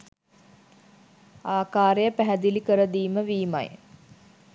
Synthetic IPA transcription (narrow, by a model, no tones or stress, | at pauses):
aːkaːɾejəpæɦæd̪ilikəɾəd̪iːməʋiːma̰j